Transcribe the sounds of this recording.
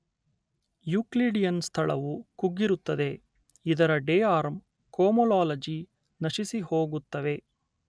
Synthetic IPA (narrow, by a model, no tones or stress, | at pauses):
juːkliːɖijɐnst̪ʰɐɭɐ̰ʋukuɡːiɾut̪ːɐd̪e̞ | id̪ɐɾɐɖeːjaːɾm | koːmɔlaːlɐd͡ʒi | nɐʃisiho̞ːɡut̪ːɐʋe̞